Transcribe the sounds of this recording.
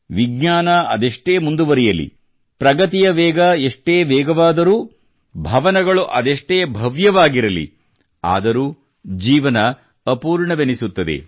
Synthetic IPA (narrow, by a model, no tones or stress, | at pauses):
ʋiɡɲaːnɐɐd̪eʂʈeːmund̪uʋɐɾijɐlḭ | pɾɐɡɐt̪ijɐʋɛːɡɐeʂʈeːʋɛːɡɐʋaːd̪ɐɾuː | bʱɐʋɐnɐɡɐɭuʔɐd̪eʂʈeːbʱɐʋjɐʋaːɡiɾɐlḭ | a̰ːd̪ɐɾuː | d͡ʒiːʋɐnɐː | puːɾɳɐʋenisut̪ːɐd̪e̞̰